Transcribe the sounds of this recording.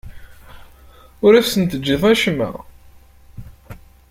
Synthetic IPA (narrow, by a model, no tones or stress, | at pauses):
ʊɾæfsənt̪əd͡ʒːiðˤæʃmæ̰